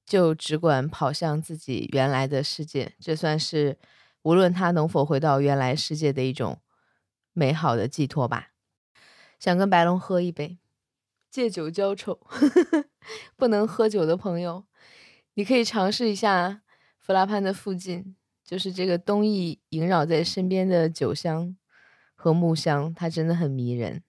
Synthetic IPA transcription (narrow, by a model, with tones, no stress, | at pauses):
t͡ɕjo˥˩ʊʈ͡ʂɻ̩˧˥kwa˨˩npʰɑ˨˩ʊɕjɑ˥˧ŋt͡sɹ̩˥˩t͡ɕḭ˨˩ɥʔɛ˧˥nla˧˥ɪd̪ə˧ʂɻ̩˥˧t͡ɕjɛ̰˥˩ʈ͡ʂɤ˥˧swa˥˧nʂɻ̩˥˩ | u˧˥lwə˥˩nt̪ʰa˥nɤ˧˥ŋfo˨˩ʊxwe˧˥ɪt̪ɑ˥˩ʊɥɛ˧˥nla˧˥ɪʂɻ̩˥˧t͡ɕjɛ˥˩d̪ə˩i˥˩ʈ͡ʂʊ̰˨˩ŋ | me˧˥ɪxɑ˨˩ʊd̪ə̰˦t͡ɕi˥˧t̪ʰwɔ˥˩ba̰˨˩ | ɕjɑ˨˩ŋkə˥npa˧˥ɪlʊ˧˥ŋxɤ˥i˥˩pe˥˩ɪ | t͡ɕjɛ˥˩t͡ɕjo˨˩ʊt͡ɕjɑ˥ʊʈ͡ʂʰo˨˩˦ʊ | pu˥˩nɤ˧˥ŋxɤ˥t͡ɕjo˨˩ʊd̪ə˦pʰɤ˧˥ŋjo˧ʊ | ni˨˩kʰɤ˧˥i˨˩ʈ͡ʂʰɑ˧˥ŋʂɻ̩˥˩i˧˥ɕja˥˩ | fu˧˥la˥pʰa˥nd̪ə˨fu˥˧t͡ɕi˥˩n | t͡ɕjo˥˧ʊʂɻ̩˥˧ʈ͡ʂɤ˥˩ɡə˩t̪ʊ˥ŋi˥˩i˧˥ŋɻɑ˨˩ʊt͡sa˥˩ɪʂə˥npjɛ˥nd̪ə˨t͡ɕjo˨˩ʊɕjɑ˥ŋ | xɤ˧˥mu˥˩ɕjɑ˥ŋt̪ʰa˥ʈ͡ʂə˥nd̪ə˨xə˨˩nmi˧˥ɻə̰˧˥n